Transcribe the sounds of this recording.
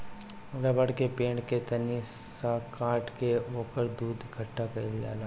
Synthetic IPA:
ɾɐbəɽkepẽːɳɖket̪ɐni | sakaːʈkeoːkəɾd̪uːd̪kʰəʈːapɐid͡ʒa̰ːlaː

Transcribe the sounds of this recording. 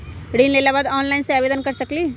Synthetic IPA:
ɖiːnleːlabaːd̪ɔːnlaɪnseabeːd̪ənkɐɾsɐkliː

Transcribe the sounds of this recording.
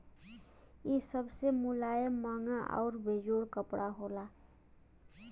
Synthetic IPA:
isəbsemulaːjemaŋaʔɔ̰ʊɾbʱed͡ʒoɽkəpɽʔaɦola

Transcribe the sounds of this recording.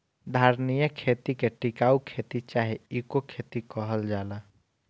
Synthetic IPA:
d̪ʱaɾnijəkʰet̪ikeʈikaːukʰet̪it͡ʃaɦiikokʰet̪ikəɦəld͡ʒaːla

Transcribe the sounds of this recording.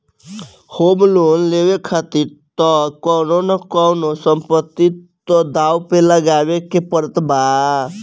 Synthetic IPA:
homloːnleʋekʰat̪iɾt̪ɔkɔɾonəkɔnosəmpət̪ːit̪ɔd̪aːwpeləɡaːʋekepəɾət̪baː

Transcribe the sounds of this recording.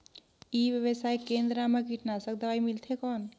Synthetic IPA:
iːʋjəʋəsaːekẽːnd̪ɾamakiʈʰnasək̚d̪əʋaimɪlt̪ʰekɔːn

